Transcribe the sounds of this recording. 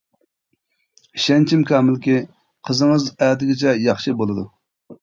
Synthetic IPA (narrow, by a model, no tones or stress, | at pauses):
iʃɛnt͡ʃʰimkʰʲɑːmɪlkʲi | qʰəzəŋəzɛːd̪ɪɡʲɪt͡ʃʰɛjɑχʃɨbolˠɨd̪u